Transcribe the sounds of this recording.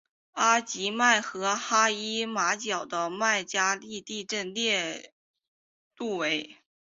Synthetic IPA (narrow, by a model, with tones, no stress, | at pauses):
a˥t͡ɕi˧˥ma˥˩ɪxɤ˧˥xa˥i˥ma˧˥t͡ɕjɑ˨˩ʊd̪ə˦ma˥˩ɪt͡ɕja˥li˥˧t̪i˥˧ʈ͡ʂə˥˧nljɛ˥˧ | t̪u˥˩we˧˥ɪ